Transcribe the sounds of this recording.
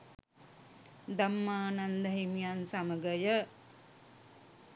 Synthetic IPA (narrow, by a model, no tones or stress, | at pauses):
d̪amːaːnand̪əɦimijansaməɡəjə